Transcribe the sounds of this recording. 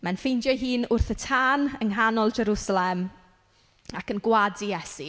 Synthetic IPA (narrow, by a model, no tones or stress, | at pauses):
manfejnd͡ʒjaɦiːnʊrθətʰaːnəŋɦanɔlˠd͡ʒɛɾusalɛm | akənɡwadijɛsi